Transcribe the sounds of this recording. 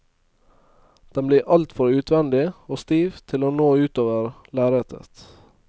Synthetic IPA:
d̪̥ɛmbliːʔɑlt̪fɔɾʉːt̪ʰʋɛnd̪ɪoːst̪iːʋt̪ʰɪloːnoːʉːt̪oːʋəɾ | læːɾet̪ʰə̰t̪

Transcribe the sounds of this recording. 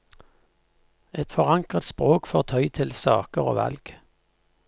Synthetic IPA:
ɛt̪fɔʁɑŋkət̪spʁoːkfɔːʁt̪ʰœʏt̪ʰɪlsɑ̰ːkəʁo̰ːʋɑ̰lɡ̥

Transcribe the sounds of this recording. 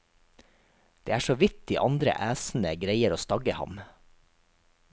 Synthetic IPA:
d̪̥eːæːʃoːʋɪt̪ɪʔɑnd̪ɾə̰ʔæːsn̩əɡɾeɪəɾoːst̪ɑɡəhɑ̰m

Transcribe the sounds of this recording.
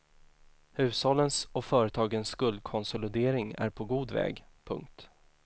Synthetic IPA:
hʉ̟ːshɔlːənsɔfœːɾət̪ʰɑːɡənsːkɵld̪̚kʰɔnsɔlɪd̪eːɾɪŋæ̰ɾpʰɔɡuːd̪vɛ̰ːɡpʰɵ̰ŋk̚t̪

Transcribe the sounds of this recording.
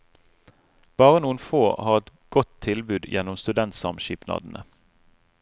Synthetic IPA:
b̥ɑːʁənuːənfoːhɑːʁɛt̪ɡ̥ɔt̪ʰːɪlbʉːd̪jɛnːʊmst̪ʉd̪ɛnt̪sɑ̰mʃiːpnɑ̰ːd̪n̩ʔə

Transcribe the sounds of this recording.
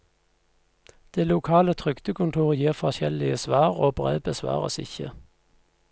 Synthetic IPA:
d̪̥eːlʊkʰɑːlət̪ʰʁʏkt̪əkʰʊnt̪ʰuːʁəjiːʁfɔʁçɛlɪəsʋɑːʁoːbʁḛːbəsʋɑ̰ːʁə̰sɪ̰çə̰

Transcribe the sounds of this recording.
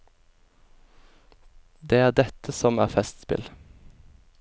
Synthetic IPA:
d̪eːæːʁd̪ɛt̪ʰəsɔmæ̰ːʁfɛst̪spɪ̰l

